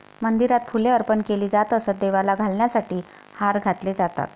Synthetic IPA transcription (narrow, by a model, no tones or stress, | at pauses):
mənd̪iɾat̪fulẽəɾpənkeliːd͡zat̪əsəd̪eʋalaɡʱalɳjasaʈiː | haɾɡʱat̪led͡zat̪a̰t̪